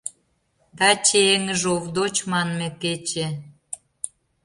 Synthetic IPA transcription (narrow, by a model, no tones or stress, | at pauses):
d̪ɑt͡ɕeeŋəʒovd̪ot͡ɕmɑnmĕket͡ɕe